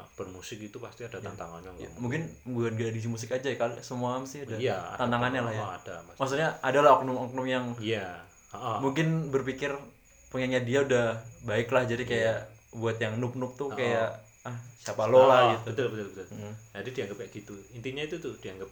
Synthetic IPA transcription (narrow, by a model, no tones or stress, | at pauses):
b̥ərmusɪk̚it̪upast̪iadat̪a̰nt̪a̰ŋa̰nɲan̰muŋkɪnbuɡanɡadadis̬imus̬ɪkad͡ʒajɛkalisəmuaamsɪhadajat̪ant̪aŋanɲalahjad̥amamas̬ut̪̚ɲaadalahɔknʊmɔk̚nɔmjaŋija | ʔmuŋkɪnbərpikɪr | pəŋaŋɲadiaudahbaɪklahd͡ʒadikajaʔbuat̪jaŋnʊp̚nʊp̚t̪ʊkajaʔ | hsapalolaɡit̪bət̪ʊlbət̪ʊlbət̪ʊlʔm̩d͡ʒadidiaŋɡəpaɡ̥it̪uint̪iɲait̪ut̪ʊhd̥iaŋɡap̚